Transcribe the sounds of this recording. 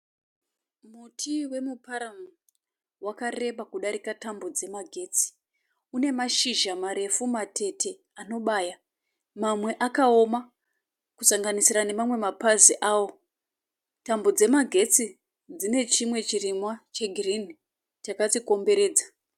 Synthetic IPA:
mutʰiwe̞mupaɾamu | wakare̞ɓakuɗaɾikatambo̞d͡ze̞maɡʱe̞ːt͡si̥ | une̞maʃiʒamaɾe̞fumate̞tʰe̞ | ano̞ɓaːja | mamwe̞ʔakao̞ma | kusaŋɡanisiɾane̞mamwe̞mapaziʔaːwo̞ | tambo̞d͡ze̞maɡʱe̞t͡si | d͡zine̞t͡ʃimwe̞t͡ʃirimwat͡ʃe̞ɡʱrini | t͡ʃakat͡siko̞mbe̞ɾe̞ːd͡za

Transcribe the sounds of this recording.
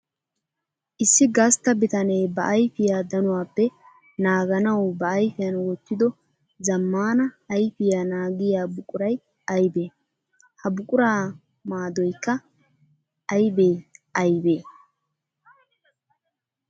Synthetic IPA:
ʔɪsːɪɡɐst̪ːɐbɪt̪ɐnɛjbɐʔːjfɪjaːd̪ɐnʊwaːpːɛ | naːɡɐnɐwbɐːjfɪjɐnwɔt̪ːɪd̪ɔ | zɐmːaːnɐːjfɪjaːnaːɡɪjaːbʊkʼʊɾɐj | ɐjbeː | hɐbʊkʼʊɾaː | maːd̪ɔjkːɐ | ʔɐjbeːʔɐjbeː

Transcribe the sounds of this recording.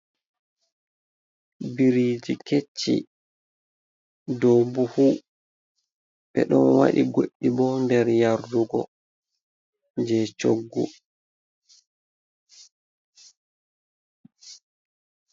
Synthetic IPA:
biɾid͡ʒiket͡ʃːḭ | dobuhu | ɓɛ̰ɗɔnwa̰ɗiɡoɗːibɔndɛɾjaɾduɡɔ̰ | d͡ʒɛt͡ʃoɡːṵ

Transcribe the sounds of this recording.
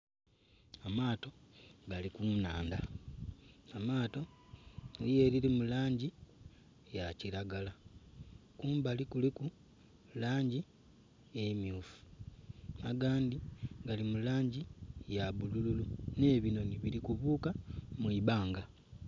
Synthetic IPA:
amaːto̞ɡalikuna̰ːnda | amaːto̞ | lije̞ɾilimulaːɲɟi | jaciɾaɡala | kuːmbalikuliku | laːɲɟi | emjuːfu̥ | aɡaːndiɡalimulaːɲɟijaβulululune̞ːβino̞niβilikuβuːkamwiβaːŋɡa

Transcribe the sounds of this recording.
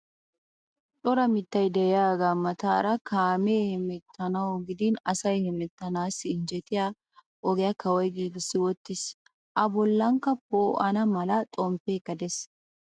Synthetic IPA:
ᶑɔɾɐmɪt̪ːɐjd̪ɛjjaːɡaːmɐt̪aːɾɐkʰaːmeːhɛmɛt̪ʰːɐnɐwɡɪd̪ɪnɐsɐjhɛmɛt̪ːɐnaːsɪnd͡ʒɛt̪ɪja | ʔɔɡɛjɐkɐwɔjɡiːɡɪsːɪwɔt̪ːɪs | ʔɐbɔlːɐŋkːɐpoːʔɐnɐmɐlɐt̪ʼɔmpekːɐd̪ɛs

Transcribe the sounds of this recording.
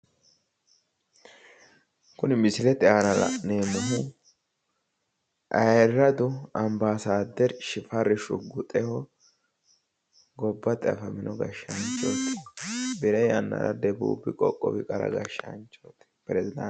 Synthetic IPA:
kʊnɪmɪsɪlɛt̪ɪaːnɐlɐ̰ʔneːmɐɦʊ | ʔɐjɾɾɐd̪ʊɐmbaːsaːd̪ːɛɾʃɪfɐrːɪʃʊɡʊt̪ʼɛhɔ | ɡɔbːɐt̪ʼɛ̰fɐmɪnʔɔɡɐʃɐnt͡ʃʼːoːt̪ːɪ̥bɪɾɐjɐnːɐ̰ɾɐ̰d̪ɛbṵːbɪkʼɔkʼːɔbɪkʼɐɾɐ̰ɡɐ̰ʃɐ̰nt͡ʃːoːt̪ɛ̥pɾɛzɪd̪ɐ

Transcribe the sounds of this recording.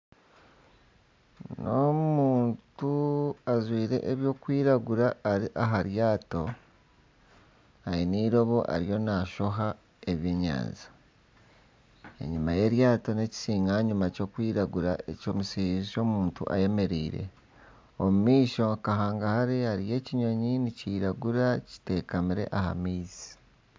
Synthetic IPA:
nomuːntuazwiːɾe̞̰ʔːβjo̞ːkwiːɾaɡuɾaːɾiʔaɦaɾjaːto̞ | ajiniːɾo̞βo̞ʔa̰ɾijo̞naʃo̞ɦa | e̞βjeːɲa̰ːnzi | ḛɲumaje̞ɾjaːto̞ne̞ci̥siːŋɡaɲumaco̞ːkwiːɾaɡuɾa̰e̞co̞ːmusiziʃo̞muːntṵʔa̰je̞me̞ɾḭːɾe̞̰ | omumiːʃo̞kaɦaːŋɡahaɾiaɾije̞ciɲo̞ɲiniciːɾaɡuɾaci̥te̞ːkamiɾe̞̰ʔaha̰miːzi̥

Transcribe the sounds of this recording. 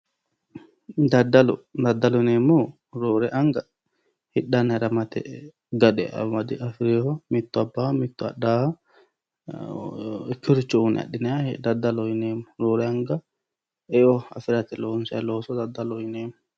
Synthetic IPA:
d̪ɐd̪ɐlɔd̪ɐd̪ːɐlɔɪneːmːɔ | ɾoːɾɛʔɐŋɡɐ | hɪɗɐnːɐɾɐmɐt̪ɛ̰ | ɡɐd̪ɛ̰ɐ̰mɐd̪ɪʔɐfɪɾeːhɔmɪt̪ːʊɐbːaːmɪt̪ːʊɐ̰ɗaː | ɛkːɪɔɾɪt͡ʃːɔunɛ̰ɐ̰ɗːɪnɛjad̪ɐd̪ːɐlɔjɪneːmʊɾoːɾɛɐŋɡɐ | ɛjɔɐ̰fɪɾɐt̪ɛloːnsɐjloːsɔd̪ɐd̪ːɐlɔjɪneːmʊ

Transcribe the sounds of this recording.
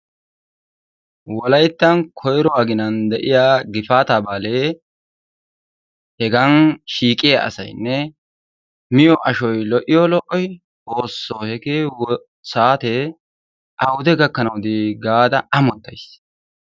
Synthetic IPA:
wɔlɐjt̪ːɐnkʰɔjɾɔwaːɡɪnɐnd̪ɛʔɪjaːɡɪfaːt̪ɐbaːleː | hɛɡɐnʃiːkʼɪjaɐ̰sɐ̰jnːɛ | mɪjɔʔɐʃɔjlɔʔɪjɔlɔʔɔj | oːsːoːhɛkeː | saːt̪e | ʔɐwd̪ɛɡɐkːɐnɐwd̪iɡaːd̪ɐɐmɔt̪ːɐjs

